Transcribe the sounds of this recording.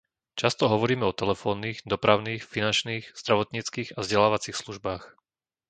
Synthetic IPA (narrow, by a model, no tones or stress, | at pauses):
t͡ʃast̪ɔɦɔʋɔɾiːmɛɔt̪ɛlɛfɔːnːiːɣd̪ɔpɾaʊniːxfinant͡ʃniːxz̥d̪ɾaʋɔt̪ɲiːt͡skiːɣavzɟɛlaːʋat͡siːxsluʒbaːx